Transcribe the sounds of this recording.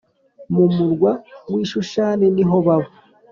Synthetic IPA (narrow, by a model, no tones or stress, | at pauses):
mumuɾɡwamwiːʃuʃaːneniɦo̞βaβo